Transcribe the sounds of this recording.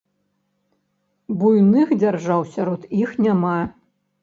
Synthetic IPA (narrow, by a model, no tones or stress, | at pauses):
bujnɨxd͡zʲarʐawsʲaɾɔt̪ixnʲama